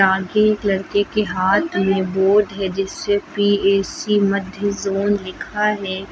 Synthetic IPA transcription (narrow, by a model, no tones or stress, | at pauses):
aːɡeːklɐɾkekeɦaːt̪ʰmẽboːd̪ɦɛd͡ʒɪsːepiːeːsimɐd̪ʱjəzoːnlɪkʰaɦɛː